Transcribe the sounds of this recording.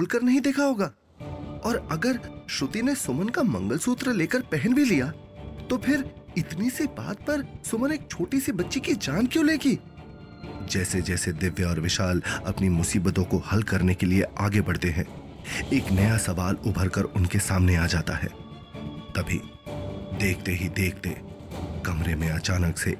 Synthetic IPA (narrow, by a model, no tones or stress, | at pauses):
bʊlkəɾnɐɦĩd̪eːkʰaɦoːɡaː | ɔːɾɐɡəɾʃʊt̪inesʊmənkamɐ̃ŋɡəlsuːt̪ɾəleːkəɾpɛɦɛnbʱilija | t̪opʰɪɾɪt̪niseba̰ːt̪̚pɐɾsʊməneːk̚t͡ʃʰoːʈisibɐtːʃikid͡ʒaːnkjõːleːɡiː | d͡ʒɛːsed͡ʒɛːsed̪ɪʋjəɔːɾʋɪʃaːlɐ̰pnimʊsiːbət̪õkohɐlkɐɾnekelieaːɡebɐɽt̪eɦɛ̃ː | eːknɐjasɐʋaːlʊbʱəɾkɐɾʊnkesaːmneaːd͡ʒaːt̪a̰ɦɛ̰ː | t̪ɐbʱḭ | d̪eːkʰt̪eɦid̪eːk̚ʰt̪e | kɐmɾemẽɐt͡ʃaːnəksḛ